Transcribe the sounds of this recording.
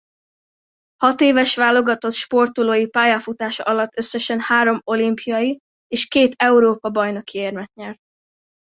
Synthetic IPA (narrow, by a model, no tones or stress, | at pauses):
hɒt̪eːvɛʃʋaːlːo̞ɡɒt̪o̞t̪ʃpo̞rt̪oloːjipaːjɒfut̪aːʃɒ̰ʔɒlɒt̪ːø̞sːɛʃɛnhaːɾo̞mo̞limpʰijɒji | eːʃkeːt̪ɛuɾoːpɒbɒjno̞kieːrmɛt̪ɲɛrt̪̚